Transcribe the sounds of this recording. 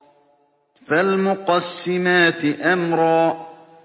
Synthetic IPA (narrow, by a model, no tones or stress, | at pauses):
falmʊqɑsːɪmaːt̪ɪʔamɾˤɑː